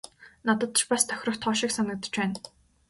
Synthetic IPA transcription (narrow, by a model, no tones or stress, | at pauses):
nat̪ə̆t̪̆t͡ɕpast̪ʰœ̥xʲrə̆xt̪ʰːɔːʃĭksanə̆k̚t̪ə̥̆t͡ɕpæːn